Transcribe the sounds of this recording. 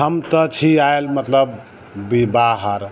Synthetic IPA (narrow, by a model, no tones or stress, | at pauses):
ɦəmt̪ət͡ʃʰiaelmət̪ləbː | ibaɦəɾ